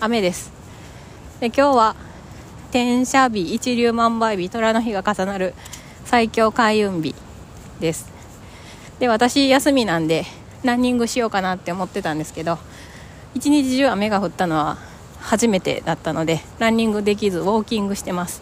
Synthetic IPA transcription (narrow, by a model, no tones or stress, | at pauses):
ame̞d̪e̞sɨ̥ | d̪e̞kʲo̞ːβa | t̪ẽ̞ɰ̃ɕabʲiːt͡ɕiɾʲɨːmãmbaibʲit̪o̞ɾano̞çiɡakasanaɾɯ̟ | saikʲo̞ːkaiɯ̟̃mbʲḭ | d̪e̞sɨ̥ | d̪e̞βat̪aɕijasɨmʲinãnd̪e̞ | ɾãɲ̟ːĩŋɡɯ̟ɕijo̞ːkanat̪ːe̞omo̞t̪ːe̞t̪ãnd̪e̞sɨ̥ke̞d̪o̞ | it͡ɕiɲ̟it͡ɕiʑɨːame̞ɡaɸɯ̟t̪ːano̞β̞a | haʑime̞t̪e̞̰d̪at̪ːano̞d̪e̞ɾãɲ̟ːĩŋɡɯ̟d̪e̞k̬ʲizɨβo̞ːkʲĩŋɡɯ̟ɕi̥t̪e̞masɨ̥